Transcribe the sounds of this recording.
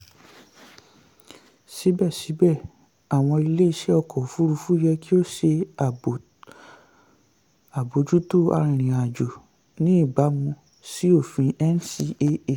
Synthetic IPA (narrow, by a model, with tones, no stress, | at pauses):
si˨˦bɛ˦˨si˨˦bɛ˦˨ | a˨w̃ɔ̃˧i˧le˦i˧ʃɛ˦ɔ˧kɔ˨fu˨˦ɾu˧fu˦jɛ˧ki˦o˦˨ʃe˧˨ | a˨bo˨˦d͡ʒu˦to˦˨a̰˧ɾ̃ĩ˨ɾ̃ĩ˨a˨d͡ʒo˨ | nĩ˦i˦˨ba˨˦mũ˧ | si˦o˦˨fĩ˧ɛ˦n˦si˧e˧e˨